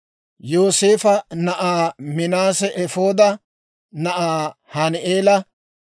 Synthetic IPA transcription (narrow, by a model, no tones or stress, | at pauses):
jo̞ːse̞ːfɐnɐʔaːmɪnaːsɛʔɛfo̞ːd̪ɐ | nɐʔaːhanʔeːlɐ